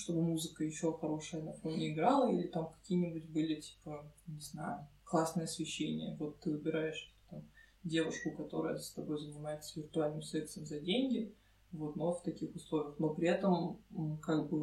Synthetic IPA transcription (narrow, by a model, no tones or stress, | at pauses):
ʂt̪o̞bɨmuzɨkəjɪɕːo̞xɐɾo̞ʂɨjənɐfo̞nʲɪɪɡɾalˠəḭlʲɪt̪amkɐ̥kʲijnʲɪbʊtʲbɨlʲɪtʲi̥pənʲɪzna̰jʊklˠasnɨjəɐsvʲɪɕːenʲɪ̰jəvo̞t̪ːɨvɨbʲɪɾajɪʂt̪o̥t̪t̪am | dʲe̞vʊʂkʊkɐt̪o̞ɾə̰jə̰st̪ɐbo̞jzənʲɪmajɪt̪səvʲɪrt̪ʊalʲnɨmsɾʲet̪st̪vəmzɐdʲenʲɡʲɪ | vo̞t̪no̞ft̪ɐkʲixʊslˠovʲɪjəxno̞pɾʲɪɛt̪əmkaɡ̚bɨ